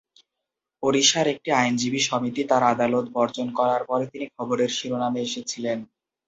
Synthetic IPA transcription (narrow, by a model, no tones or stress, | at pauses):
poɾiʃaɾek̚ʈiajnd͡ʑibiʃɔmit̪it̪aɾad̪alot̪̚bɔɾd͡ʑonkɔɾaɾpɔɾet̪inikʰɔboɾeɾʃiɾonameeʃet͡ɕʰilen